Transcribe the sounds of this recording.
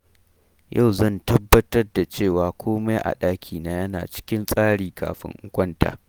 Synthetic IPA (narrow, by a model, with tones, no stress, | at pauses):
jʔɐ˦˨wzɐ˦˨ntɐ˦bːɐ˦tɐ˦rda˨t͡ʃeː˦˨waː˨kʷʰoː˦me˦jʔa̰˨ɗaː˦kʲʰiː˨na˦jɐ˦na̰ː˨t͡ʃɪ̥˦kʲɪ˦nsʼaː˦ɽiː˨ka̰ː˨ɸɪ̰˦ŋʔʊ˦kʷɐ˦nta̰ː˨